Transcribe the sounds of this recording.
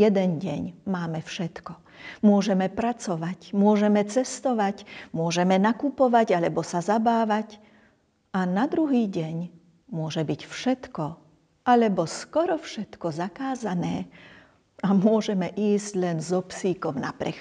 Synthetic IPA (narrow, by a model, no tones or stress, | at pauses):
ɛd̪ɛnɟɛɲmaːmɛfʃɛt̪kɔ | mʊɔʒɛmɛpɾat͡sɔʋacmʊɔʒɛmɛt͡sɛst̪ɔʋacmʊɔʒɛmɛnakupɔʋaɟalɛbɔsazabaːʋac | anad̪ɾuɦiːɟɛɲ | mʊɔʒɛbicfʃɛt̪kɔ | alɛbɔskɔɾɔfʃɛt̪kɔzakaːzanɛː | amʊɔʒɛmɛʔiːzɟlɛnzɔpsiːkɔmnapɾɛ̰x